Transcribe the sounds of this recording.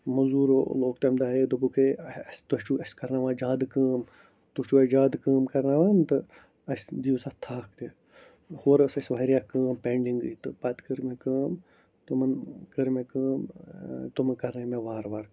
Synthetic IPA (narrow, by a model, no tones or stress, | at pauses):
mɐzuːɾoloːk̚t̪emd̪aːjed̪ubukʰest̪ut͡ʃuɐskɐɾnaːʋaːd͡ʒaːd̪kəːm | t̪ut͡ʃuɐd͡ʒaːd̪kəːmkɐɾnaːʋaːmt̪ɨ | ɐsd̪ijusaːt̪ʰaːkʰt̪e | hoːɾɐsɐsʋaːɾijaːkəːmpeɳɖiŋɡɨ̰t̪ɨpat̪kəɾmẽkəːm | t̪umɐnkəɾmẽkəːmt̪umkɐɾnɐmẽʋaːɾʋaːɾ